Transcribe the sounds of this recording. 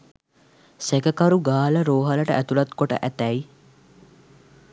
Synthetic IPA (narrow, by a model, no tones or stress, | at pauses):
sekəkaɾuɡaːləɾoːɦaləʈəʔæt̪ulɐt̪koʈə̰ʔæt̪ɛi